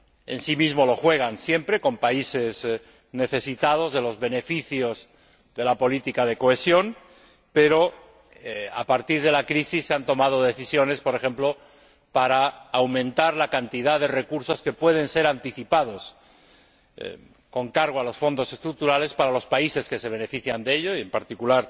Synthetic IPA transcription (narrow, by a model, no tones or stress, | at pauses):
e̞̰nsimizmo̞lo̞xwe̞ɣ̞ansje̞mpɾe̞ko̞mpaise̞z | ne̞θe̞sit̪að̞o̞zðe̞lo̞zβe̞ne̞fiθjo̞z | ðe̞lapo̞lit̪ikað̞e̞ko̞e̞sjo̞n | pe̞ɾo̞ | a̰paɾt̪iɾð̞e̞lakɾisisːeant̪o̞mað̞o̞ð̞e̞θisjo̞ne̞spoɾe̞xe̞mplo̞ | paɾaːwmẽnt̪aɾlakant̪iðaðe̞re̞kuɾso̞ske̞pwe̞ð̞e̞nse̞ɾant̪iθipað̞o̞s | ko̞ŋkaɾɣ̞oalo̞sfo̞nd̪o̞se̞st̪ɾuk̚t̪uɾale̞spaɾalo̞spaise̞ske̞se̞β̞e̞ne̞fiθjand̪ee̞ʎo̞ie̞mpaɾt̪ikulaɾ